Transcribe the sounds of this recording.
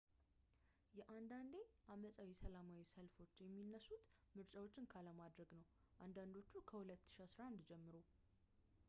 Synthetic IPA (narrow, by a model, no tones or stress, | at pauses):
jɛʔand̪and̪e̞ʔaməsʼawisəlamawisəlfo̞t͡ʃːjɛmːinːəsut̪mɨɾt͡ʃʼawo̞t͡ʃːɪnkʰaləmad̪ɾəɡnəw | ʔand̪and̪o̞t͡ʃːukʰəhulət̪ːɨ̥ʃiasɾaʔand̪d͡ʒɛmːɨɾo̞